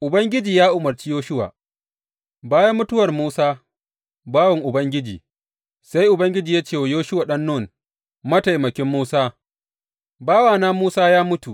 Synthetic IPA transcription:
ʔʊ˨bɐ˦ŋɡʲɪ˦d͡ʒiː˨jaː˦ʔʊ˨mɐ˨rt͡ʃiː˦joː˦ʃʊ˦wa̰ː˨ | baː˦ja˦mːʊ˦tʊ˦wɐ˨rmuː˦saː˦ | baː˦wɐ˨ŋʔʊ˨bɐ˦ŋɡʲɪ˦d͡ʒḭː˨ | sa˦jʔʊ˨bɐ˦ŋɡʲɪ˦d͡ʒiː˨jaː˦t͡ʃeː˦˨wa˨joː˦ʃʊ˦waː˨ɗɐ˦nːoː˦˨n | mɐ˦ta˨jmɐ˨kʲɪ˦mːuː˦saː˦ | baː˦waː˨naː˦muː˦saː˦jaː˦mʊ˦tu˨ʔ

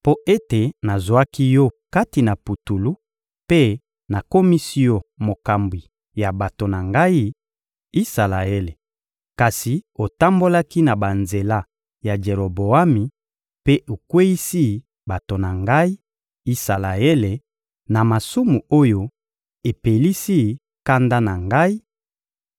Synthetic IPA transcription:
po˦ʔe˦te˨na˨zwa˦ki˦jɔ˦ka˦ti˨na˨pu˨tu˨lu˦ | pe˦ | na˨ko˦mi˦si˦jɔ˦mo˨ka˨mbwi˨ | ja˨ba˨to˨na˨ŋɡa˦i˦ | i˦sa˨la˨e˦le˨ | ka˨si˨o˨ta˦mbo˦la˦ki˦na˨ba˨nze˨la˦ | ja˨d͡ʒe˨ʁo˨bo˨a˦mi˨ | pe˦ʔo˨kwe˦i˦si˦ | ba˨to˨na˨ŋɡa˦i˦ | i˦sa˨la˨e˦le˨ | na˨ma˨su˦mu˨o˦jo˦ | e˨pe˨li˦si˦˨ | ka˦nda˦na˨ŋɡa˦i˦

